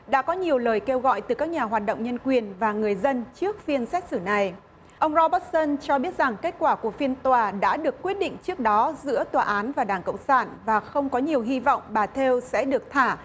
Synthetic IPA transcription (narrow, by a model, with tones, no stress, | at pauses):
ɗa̰ː˧˥kɔ˨˦ɲi˨˩əwləː˨˩jke˧wɣɔ̰˧˨jt̪ɨ˨˩kaː˦˥k̚ɲaː˨˩ɦwaː˨˩t̚ɗə̰˧˨wŋ͡mɲə˧nkwi˨˩ənvaː˨˩ŋɨ˨˩əjzə˧nt͡ɕɨ˦˥ək̚fi˧ənsɛ˦˥k̚sɨ˧˩na˨˩j | ʔə˧wŋ͡mzɔ˧ɓə˦˥t̚sə˧nt͡ɕɔ˧ɓi˦˥ət̚za˨˩ŋke˦˥t̚kwaː˧˩ku˧˩əfi˧ənt̪waː˨˩ɗa̰ː˧˥ɗɨ˨˩əkːwi˦˥ət̚ɗḭ̈˧˨ŋ̟t͡ɕɨ˦˥ək̚ɗɔ˨˦zɨ̰˧˥ət̪waː˨˩ʔaː˨˦nvaː˨˩ɗaː˧˩ŋkə̰˧˨wŋ͡msaː˧˩nvaː˨˩xə˧wŋ͡mkɔ˨˦ɲi˨˩əwɦi˧vɔ̰˧˨wŋ͡mɓaː˨˩t̪ʰe˧wsɛ̰˧˥ɗɨ˨˩ək̚t̪ʰaː˧˩